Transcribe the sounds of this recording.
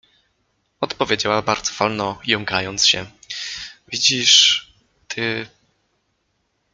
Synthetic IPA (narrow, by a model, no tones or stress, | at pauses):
ɔt̪pɔvʲjed͡ʑawabaɾd̪z̥ɔ̥v̥ɔlnɔjɔŋɡajɔnt̪sɕɛ̰ | vʲid͡ʑiʂ | t̪ʰɘ